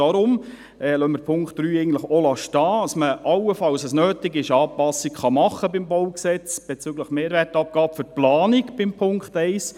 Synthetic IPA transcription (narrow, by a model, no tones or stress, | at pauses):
ɑɾʊm | ɛlœməɾpʰʊŋkt̚d̥ɾyːɛɪɡən̩tləχolɑʃtɑːɑsməʔɑwəfɑlsəsnøːtɪɡɪʃɑːpɑsikχɑmɑχəbɪmbɔwksɛt͡sb̥ɛt͡syɡləχmeːɾʋɛrtɑp̚ɡ̥ɑːpfʏɾplɑːnikb̥ɪmpʰʊŋktɛɪs